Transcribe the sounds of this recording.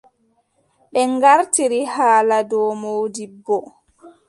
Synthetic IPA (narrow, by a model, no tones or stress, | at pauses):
ɓɛŋɡaɾtiɾihaːladɔːmoːdibːɔ